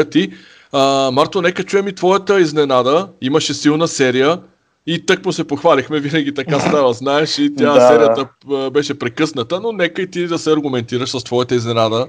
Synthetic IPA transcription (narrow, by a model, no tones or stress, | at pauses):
t̪i | əmaɾt̪onɛkət͡ʃujɛmit̪vɔjət̪əiznɛnad̪əiməʃɛsilˠnəsɛɾijə | it̪ɤkmosɛpoxvalixmɛvinɐɡ̟ʲit̪ɐkasavˠɐznaɛʃit̪ʲjasɛɾijət̪əbɛʃɛpɾɛkɤsnət̪ənonɛkəit̪id̪ɐsɛɐɾɡʊmɛnt̪iɾəʃsɐst̪vɔjɐt̪əiznɛnad̪ə